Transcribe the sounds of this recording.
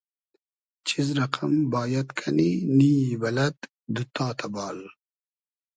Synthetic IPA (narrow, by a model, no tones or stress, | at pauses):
t͡ʃʰizɾaqʰambɑːjat̪kʰaninibɐlɐt̪ | d̪ut̪aːt̪ʰabɑːl